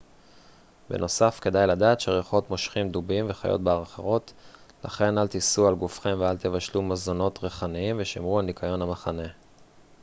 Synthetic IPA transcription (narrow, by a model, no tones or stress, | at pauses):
be̞̰no̞safke̞dajladaːt̪ʃeʁeχo̞t̪mo̞ʃχimd̪ubimveχajo̰t̚beaʁχeʁo̞t̪ | la̰χe̞nalt̪isualɡufχemvealt̪evaʃlumazo̞no̞t̪ʁeχaniimveʃimʁuanikʰajo̞namaχane̞